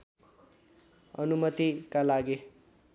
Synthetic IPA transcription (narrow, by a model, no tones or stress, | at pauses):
ʌnumʌt̪ikalaɡi